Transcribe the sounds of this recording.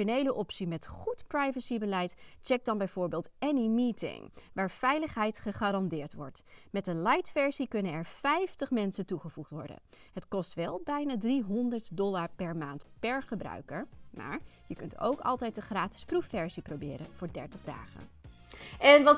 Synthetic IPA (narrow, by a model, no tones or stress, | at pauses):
onejləʔɔpsimɛtχutprɑjvəsibəlɛjtt͡ʃɛk̚dɑnbɛjv̥ʊːɹbɪːlˠtɛnimiːtɪ̰ŋʋaːɹfɛjləχɦɛjtχəχaːɾɑndɪːɹtʋɔ̰ɹtmɛt̚dəlɑjtfɛɹzikɵnənɛɹfɛjftəχmɛnsəntuχəvuχtʋɔɹdə̰n | ɦətkɔstʋɛlˠbɛjnaːdriɦɔndəɹtdɔlaːɹpɛɹmaːntpɛɹχəbrœ̰ɥkəɹma̰ːɹjəkɵnto̰wkɑ̰lˠtɛjt̚dəχraːtɪ̥sprufːɛɹsiprobɪ̰ːɾənv̥ʊːɹdɛ̰ɹtəχda̰ːχə̰n | ɛnʋɑ